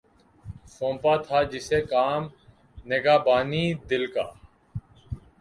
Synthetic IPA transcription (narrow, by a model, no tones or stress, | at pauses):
sõːmpaːt̪ʰaːd͡ʒɪseːkaːm | neɡaːbaːniːd̪ɪlka̰ː